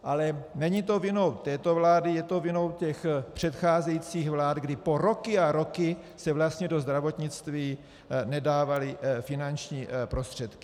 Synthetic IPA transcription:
ʔalɛnɛɲit̪o̞vɪno̞wt̪ɛːt̪o̞vlaːdɪjɛt̪o̞vjɪno̞wcɛxpr̝̥ɛt̪xaːzɛjit͡siːxvlaːt̪ɡdɪpo̞ɾo̞kɪaɾo̞kɪ | sɛvlast̪ɲɛdo̞zd̪ɾavo̞t̪ɲɪt͡st̪viː | nɛdaːvalɪfɪnant͡ʃɲiːpɾo̞st̪r̝̥ɛt̪kɪ̥

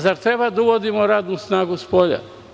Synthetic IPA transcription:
zaɾt̪ɾebad̪auʋod̪imoɾaːd̪nusnaːɡuspoʎa̰

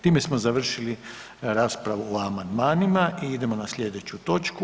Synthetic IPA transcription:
t̪iːme̞smo̞zaʋr̩ʃili | ɾaːspɾaʋuoamand̪maːnimaiid̪e̞mo̞nasʎʲe̞d̪e̞t͡ɕut̪o̞t͡ʃku

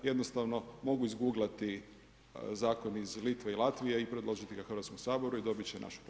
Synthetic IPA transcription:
je̞d̪nost̪aʋno̞mo̞ɡuizɡuːɡlʲat̪i | zaːko̞nizlit̪ʋeilˠat̪ʋijeipɾe̞d̪lˠo̞ʒit̪iɡaxɾʋat̪skomsaːbo̞ɾuid̪o̞bit͡ɕena̰ʃu̥p

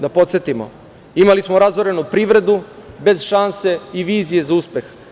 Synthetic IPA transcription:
d̪apo̞t̪set̪imo̰ | imalismoɾazoɾe̞nupɾiːʋɾe̞d̪ube̞zʃanse̞iʋiːzije̞zauspe̞x

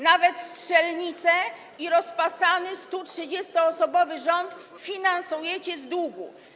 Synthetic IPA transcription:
navɛt̪stʂɛlɲit̪sɛ | iɾɔspasanɘst̪utʂɘd͡ʑɛst̪ɔːsɔbɔvɘʐɔnt̪ | fʲinansujɛt͡ɕɛzd̪wuɡṵ

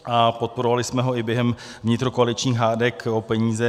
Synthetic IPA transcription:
ʔapo̞t̪̚po̞ɾovalɪsmɛɦo̞ɪbjɛɦɛm | vɲɪt̪ɾokoalɪt͡ʃɲiːxɦaːdɛkopɛɲiːzɛ

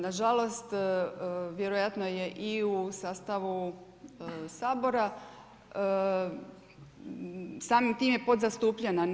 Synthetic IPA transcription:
naʒalˠo̞st̪ | ʋje̞ɾojat̪no̞jeʔiusaːst̪aʋu | saːbo̞ɾa | saːmimt̪iːmjepo̞d̪zast̪uːpʎena

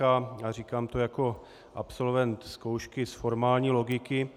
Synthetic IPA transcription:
ajaːriːkaːmt̪ojako̞ | ʔa̰pso̞lvɛnt̪skowʃkɪsfoɾmaːlɲiːlo̞ɡɪkɪ

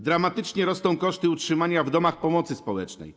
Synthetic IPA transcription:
d̪ɾamat̪ɘt͡ʂɲɛɾɔst̪ɔ̃w̃kɔʂt̪ɘutʂɘmaɲavd̪ɔmaxpɔmɔt̪sɘspɔwɛ̰t͡ʂnɛ̰j

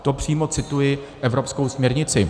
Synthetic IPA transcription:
t̪opr̝̥iːmot͡sɪt̪ujɪʔɛvɾo̞pskowsmɲɛɾɲɪt͡sɪ

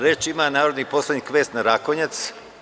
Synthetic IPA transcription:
ɾet͡ʃimanaːɾod̪nipo̞sled̪ɲikʋeːst̪naɾakoɲat̪s

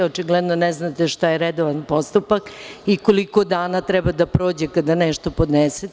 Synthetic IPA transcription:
ot͡ʃiɡlɛd̪nonɛznat̪eʃt̪ajeɾɛd̪oʋanpo̞st̪upakiko̞liko̞d̪aːnat̪ɾɛbad̪apɾo̞ːd͡ʑekad̪aneʃt̪o̞pod̪nese

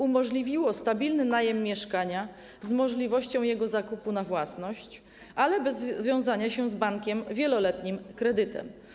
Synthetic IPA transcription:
umɔʐlʲivʲiwɔst̪abʲilnɘnajɛmːʲjɛʂkaɲa | zmɔʐlʲivɔɕt͡ɕɔ̃w̃jɛɡɔzakupunavwasnɔɕt͡ɕ | ʔalɛbɛzvʲjɔ̃w̃zaɲaɕɛzbaŋkʲɛmvʲjɛlɔlɛt̪ɲimkɾɛd̪ɘt̪ɛ̰m

